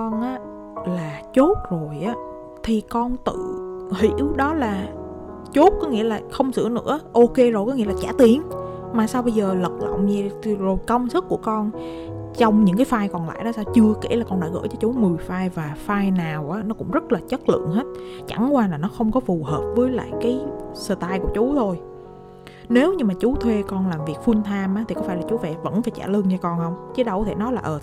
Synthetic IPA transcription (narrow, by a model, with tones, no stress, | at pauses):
kɔ˧nʔaː˨˦ | laː˨˩t͡ɕo˦˥t̚zo˨˩jʔaː˨˦ | t̪ʰi˨˩kɔ˧nt̪ɨ̰˧˨hḭ˧˨˥wɗɔ˨˦laː˨˩ | t͡ɕo˦˥t̚kɔ˨˦ŋḭ˧˥əlaː˨˩xə˧wŋ͡msɨ̰˧˩ənɨ̰˧˥əʔo˧ke˧zo˨˩kɔ˨˦ŋḭ˧˥laː˨˩t͡ɕaː˧˩t̪i˨˩ən | maː˨˩saː˧wɓə˧jzəː˨˩lə˨˩t̚lə̰˧˨wŋ͡mɲɛ˧˩˨zo˨˩jkə˧wŋ͡msɨ˦˥k̚ːu˧˩əkɔ˧n | t͡ɕɔ˧wŋ͡mɲɨ̰˧˥ŋkaː˨˦jfaː˧jkɔ˨˩nla̰ː˧˨jɗɔ˧˦saː˧wt͡ɕɨ˧əke˧˩laː˨˩kɔ˧nɗa̰ː˧˥ɣə̰ː˧˥jt͡ɕɔ˧t͡ɕu˨˦mɨ˨˩əjfaː˧jvaː˨˩faː˧jnaː˨˩wʔaː˨˦nɔ˨˦kʊ̰˧˥ŋ͡mzə˦˥t̚laː˨˩t͡ɕə˦˥t̚lɨ̰˧˨əŋɦe˦˥t̚t͡ɕa˧˩ŋkwaː˧laː˨˩nɔ˨˦xə˧wŋ͡mkɔ˨˦fu˨˩ɦəː˨˩p̚vəː˨˦jla̰ː˧˨jkaː˨˦jsəː˧˩t̪aː˧jku˧˩ət͡ɕu˨˦t̪ʰo˧j | ne˨˦wɲɨ˧ŋmaː˨˩t͡ɕu˨˦t̪ʰwe˧kɔ˧nlaː˨˩mvi˨˩ək̚fu˧nt̪ʰaː˧mʔaː˨˦t̪i˨˩kɔ˨˦faː˧˩jlaː˨˩t͡ɕu˨˦vɛ̰˧˩və̰˧˥nfaː˧˩jt͡ɕa̰ː˧˩lɨ˧ŋt͡ɕɔ˧kɔ˧nhə˧wŋ͡mt͡ɕi˨˦ɗə˧˩wkt̪ʰe˧˩nɔ˨˦laː˨˩ʔəː˨˩